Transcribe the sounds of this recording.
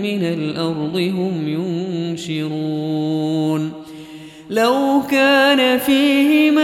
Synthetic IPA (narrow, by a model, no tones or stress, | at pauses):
mɪnalʔɑɾˤd̪ˤɨɦʊmjʊnʃɪɾuːn | lawkaːnafiːhɪma